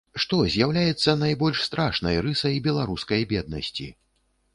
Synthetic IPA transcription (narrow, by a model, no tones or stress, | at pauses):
ʂt̪ɔzʲjawlʲajɛt̪sːɐnajbɔlʲʂst̪ɾaʂnɐ̰jɾɨsɐjbʲɛlˠaɾuskɐjbʲɛd̪̚nɐ̰sʲt͡sʲḭ